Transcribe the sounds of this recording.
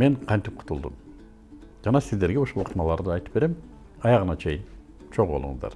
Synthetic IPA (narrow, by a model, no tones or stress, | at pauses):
me̞ɴqʰɑnt̪ip̚qʰʊ̥t̪ʰulˠd̪ṵm | d͡ʒɑnɑsizd̪e̞ɾɡeoʃolˠuq̪ʰmɑlˠɑɾd̪ɯɑjt̪ɯ̥pbe̞ɾem | ɑjɑʁɯnɑt͡ʃʰe̞jɪn | t͡ʃʰoʁbo̞lˠṵŋəzd̪ɑ̰ɾ